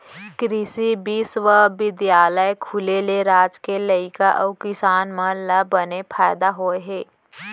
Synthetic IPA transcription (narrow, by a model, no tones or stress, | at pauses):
kɾɪsibisʋəʋɪd̪jaːləekʰʊleleɾaːd͡ʒkelɐikaʔəkɪsaːnmələbənepʰaːjd̪aɦoːeɦeː